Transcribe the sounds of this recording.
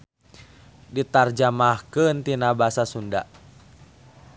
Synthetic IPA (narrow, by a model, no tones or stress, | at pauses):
dit̪ard͡ʒamahkənt̪inabasasunda̰ʔ